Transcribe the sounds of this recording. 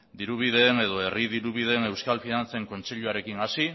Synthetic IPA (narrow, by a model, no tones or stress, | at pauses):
d̪iɾuβ̞iðe̞ne̞ðo̞e̞riðiɾuβiðe̞ne̞wskalfinant͡seŋko̞nt͡se̞ʎuaɾe̞kinasi